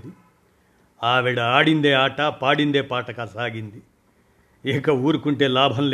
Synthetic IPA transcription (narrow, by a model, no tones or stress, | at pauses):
d̪i | aːʋɛɽɐaːɽind̪e̞ːaːʈaːpaːɽind̪e̞ːpaːʈɐkaːsaːɡind̪i | ɛːkɐuːɾukuɳʈe̞ːlaːbʱɐnl